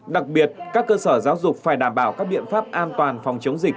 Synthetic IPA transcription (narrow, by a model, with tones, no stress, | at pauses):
ɗa˨˩k̚ɓi˨˩ət̚kaː˦˥kːəː˧səː˧˩zaː˨˦wzʊ˨˩k͡p̚faː˧˩jɗaː˧˩mɓaː˧˩wkaː˦˥k̚ɓḭ˧˨ənfaː˦˥p̚ʔaː˧nt̪waː˨˩nfɔ˨˩wŋ͡mt͡ɕə˨˦wŋ͡mzï˨˩k̟̚